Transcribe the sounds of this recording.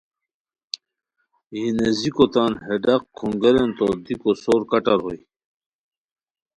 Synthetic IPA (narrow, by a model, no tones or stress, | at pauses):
jinezikot̪anheɖaqkʰːuŋɡeɾent̪od̪ikosoːɾkɐʈaɾɦoj